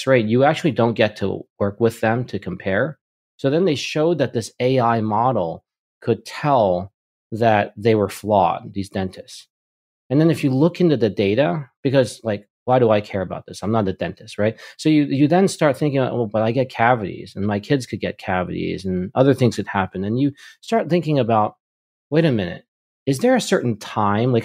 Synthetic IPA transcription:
sɹaɪt̚jɨæk̚t͡ʃʉl̩ˠidõʊ̃nɡ̥ɛtʰə̰wɜ˞kwɪðɨ̃mtʰɨkʰɨ̃mpʰɛɹ | soʊðɨ̃nðeɪʃoʊd̪̚ðɨt̪̚ðɪseɪaɪmɑɾl̩ˠ | kʰɨd̚tʰɛlˠ | ðɨt̪̚ðeɪwə˞flɔ̰d̚ðizdɛ̃ntʰɨsts | ɨ̃nðɨ̃nɨfjɨlʊkɪ̃ntʉðɨdeɪɾəb̥ɨkʌzlaɪk | waɪɾəaɪkʰɛɹɨba̰ʊt̪̚ðɪsãɪ̃mnət̪̚ðɨdɛ̃ntʰɨst̚ɹaɪt̚soʊjɨjɨðɨ̃nstɑɹt̪̚θɪ̃ŋk̬ɪ̃ŋa̰wɛlˠbʌɾaɪɡɛt̚kʰævɨɾḭzɨ̃nmaɪkʰɪdz̥kʰɨd̚ɡɛt̚kʰævɨ̰ɾḭzɨ̃nʌðə˞θɪ̃ŋz̥kɨd̚hæpɨ̃nɨ̃njɨstɑɹt̪̚θɪ̃ŋkɪ̃ŋɨbaʊt̚ | weɪɾɨmɪ̃nɨ̰t̚ | ɨzðə˞ɨsɜ˞ʔn̩tʰãɪ̃mlaɪ

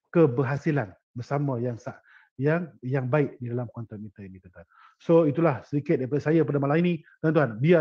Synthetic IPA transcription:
kəbəɦasilan | bərsamãjaŋsa | jaŋjaŋbaɪʔ̚didalamkɔnt̪ɔt̪̚mit̪ainit̪ənt̪uɦan | soit̪̬ulahsədikɪt̪̚japadasajap̬adamalaminĩt̪ant̪uɦanbia

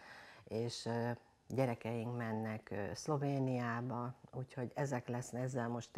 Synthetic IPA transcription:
eːʃ | ɟɛɾɛkɛjiŋkmɛnːɛkslo̞veːnijaːbɒuːcho̞ɟɛzɛklɛsnɛzːɛlmo̞ʃt̪

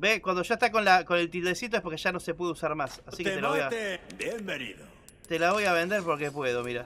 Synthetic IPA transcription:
bekwand̪o̞ʒaet̪ako̞nlako̞ne̞lt̪ild̪esit̪oehpoɾkeʒano̞se̞pweðeusaɾmasasiket̪elaβojjabjembenḭðo | t̪elaβo̞jaβ̞e̞nd̪e̞ɾpo̞ɾke̞pwe̞ðo̞miɾa

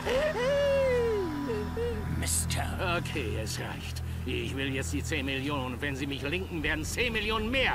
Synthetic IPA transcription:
mɪstʰəokʰeːɛsʁa̰ɪçt | ɪɪçv̥ɪljɛt͡std̥iːt͡seːnmɪljoːnənnvɛnziːmɪçlɪŋkŋ̩veːɐdn̩t͡seːnmɪljoːnənmeːɐ

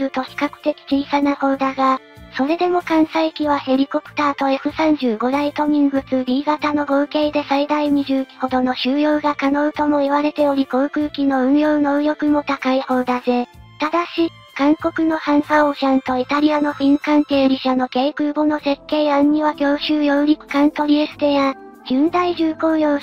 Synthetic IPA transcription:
ɾɯ̟t̪o̞çi̥kakɯ̟̥t̪e̞kʲi̥t͡ɕiːsanaho̞ːd̪aɡa | so̞ɾe̞d̪e̞mo̞kãɰ̃saikʲiβahe̞ɾʲiko̞pɯ̟̥t̪aːt̪o̞e̞ɸɯ̟sãɲ̟d͡ʑɨːɡo̞d̪ait̪o̞ɲ̟ĩŋɡɯ̟t͡sɨɾʲiːɡat̪ano̞ɡo̞ːke̞ːd̪e̞said̪aiɲ̟iʑɨːkʲi̥ho̞d̪o̞no̞ɕɨːjo̞ːɡakano̞ɯ̟t̪o̞mo̞iβaɾe̞t̪e̞o̞ɾʲiko̞ːkɯ̟ːkʲino̞ɯ̟̃ɰjo̞ːno̞ɯ̟jo̞kɯ̟mo̞t̪akaiho̞ːd̪aze̞t̪ad̪aɕi | kãŋko̞kɯ̟no̞hãɰsaoɕãnt̪o̞it̪aɾʲiano̞ɸĩŋkãŋke̞ːɾʲiɕano̞keːkɯːbo̞no̞se̞kːe̞ːãɲ̟ːiβakʲo̞ːɕɨːjo̞ɯɾʲikɯ̟̥kãnt̪o̞ɾʲiesɨ̥d̪e̞ja | d͡ʑɨ̃nd̪aiʑɨːko̞ːjo̞ː

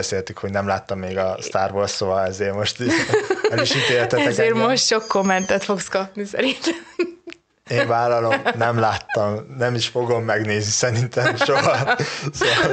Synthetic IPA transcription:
ɛseːlt̪ykho̞ɟnɛmlaːt̪ːɒmːeːɡɒst̪aːrvosːoɒɛzeːrmo̞ʃt̪iʃɛliʃit̪eːlt̪ɛt̪ɛzkɛeːrmoʃt̪ʃo̞kːomːɛnt̪ɛt̪fo̞kskɒpnisɛ̰ɾint̪ɛm | eːɱvaːlɒlo̞nɛmlaːt̪ːɒmnɛmiʃfo̞ɡo̞mːɛɡneːznisɛɾint̪ɛmʃoɦɒsoʋɒl

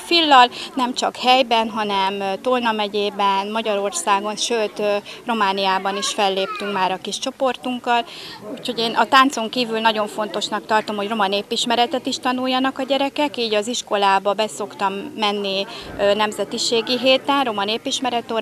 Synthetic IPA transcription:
filːɒlnɛmt͡ʃɒkhɛjbɛnɦɒnɛmt̪olnɒmɛɟeːbɛnmɒɟɒɾo̞rsaːɡo̞nʃøːt̪ro̞maːnijaːbɒniʃfɛlːeːp̚t̪yŋkmaːɾɒkiʃt͡ʃo̞po̞rt̪uŋkːɒluːcho̞ɟeːnʔɒt̪aːnt̪so̞ŋkiːvylnɒɟo̞ɱfo̞nt̪o̞ʃnɒkt̪ɒrt̪o̞mhoro̞mɒneːpiʃmɛɾɛt̪ɛt̪iʃt̪ɒnujːɒnɒkɒɟɛɾɛkɛkiːɟɒziʃko̞laːbɒbɛso̞kt̪ɒmːɛnːinɛmzɛt̪iʃeːɡiɦeːt̪ɛnro̞mɒneːpiʃmɛɾɛt̪oː

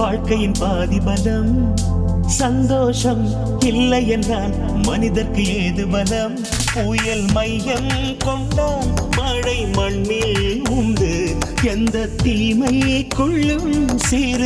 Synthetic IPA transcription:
aːɻkɐjɪnpaːðɪbɐlɐm | sɐnd̪oːʂɐm | ɪlːɐjɛndraːl | mɐnɪðɐɾkɯeːðɯbɐlɐm | ʊjɐlmɐjjɐm | kɔɳʈːɐmaːɽɐɪmɐɳmɪlʊnd̪ɯɛnd̪ɐt̪iːmɐjkɔɭːɯmseːɾɯ

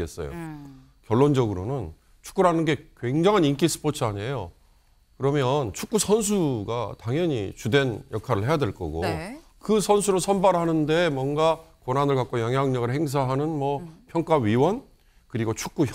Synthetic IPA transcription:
es͈ʌjo̰ | kjʌɭːond͡ʑʌɡɯɾonɯn | t͡ɕʰu̥k͈uɾɦanɯnɡe̞kwe̞ŋd͡ʑaŋɦanink͈is͈ʰɯ̥pʰot͡ɕʰɯaɲe̞jo | kɯɾʌmjʌnt͡ɕʰuk͈usʰʌns̬ʰuɡa̰taŋjʌɲḭt͡ɕude̞njʌkʰaɾɯɭhe̞jadwe̞ɭk͈ʌ̰ɡo̰ | kɯsʰʌnsʰuɾoɭsʰʌnbaɾɦanɯndemwʌnɡakonanɯɭkak͈ojʌŋjaŋɲʌɡɯɭhe̞ŋs̬ʰaɦanɯnmwʌpʰjʌŋk͈aɥiwʌn | kɯɾiɡot͡ɕʰu̥k͈̚u

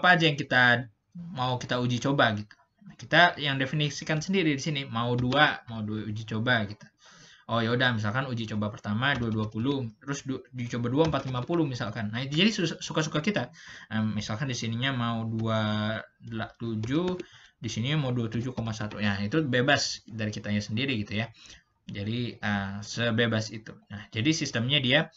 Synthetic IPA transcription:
apaːd͡ʒajaŋkit̪a | maukit̪aud͡ʒit͡ʃobaɡit̪u̥ | nahkit̪ajaŋdefinisikansəndiɾidisinimauduamauduaud͡ʒit͡ʃobaɡit̪u̥ | ojaudahmis̬alkanud͡ʒit͡ʃobapərt̪amaduaduapulut̪əɾʊsduit͡ʃobaduaəmpat̪limapulʊmisalkanːahit̪ud͡ʒadisusukasukakit̪aəmisalkandisiniɲamauduadəlat̪ud͡ʒudisiniɲamauduat̪ud͡ʒuhkomasat̪ṵjait̪ubebasdaɾikit̪aɲasəndiɾiɡit̪uja | d͡ʒadiəsəbebasit̪unahd͡ʒadisist̪əmɲadia

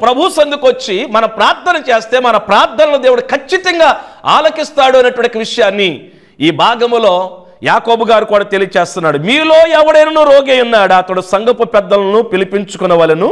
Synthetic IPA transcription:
pɾɐbʱusɐnd̪ukot͡ʃːimɐnɐpɾaːɾt̪ʰːɐnɐt͡ʃe̞ːst̪e̞ːmɐnɐpɾaːɾt̪ʰːɐnɐlod̪eːʋuɽukʰɐt͡ʃːit̪ɐŋɡaːa̰ːlɐkist̪aːɽuɐnɐʈuʋɐɳʈːiʋiʂɐjaːnːi | iːbʱaːɡɐmulo̞ː | jaːkoːbuɡaːɾukuːɽaːt̪e̞lijɐt͡ʃeːst̪unːaːɽumiːlo̞ːɛʋɐɽɐjnɐnuːɾoːɡejunːaːɽuɐt̪ɐɽusɐŋɡɐpupɛd̪ːɐlɐnupilipiɲt͡ʃukunɐʋɐlɐnu

